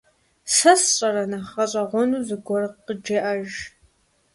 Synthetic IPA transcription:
sɐsɕʼɐɾɐnɐχɐɕʼɐʁʷɔnuːzɨɡʷɔrqəd͡ʒeʔɐʒ

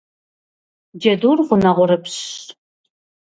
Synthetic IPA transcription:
d͡ʒɐduːrʁʷʊnɐʁʷʊɾɨpʰɕ

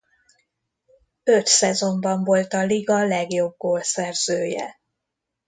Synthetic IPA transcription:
øt̪sɛzo̞mbɒɱvo̞lt̪ɒliɡɒlɛɡjo̞b̚ɡoːlsɛrz̥øːjɛ̰

